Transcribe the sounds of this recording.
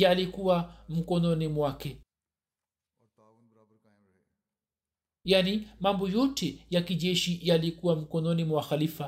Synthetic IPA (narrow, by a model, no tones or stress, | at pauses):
jalikuwam̩kɔnɔnimwakɛ | janimambɔjɔtɛjakiʄɛʃijalikuwam̩kɔnɔnimwaxalifa